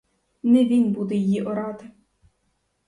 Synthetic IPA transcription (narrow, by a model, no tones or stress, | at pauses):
nɛʋʲinbud̪ɛjijiʔɔɾɑt̪ɪ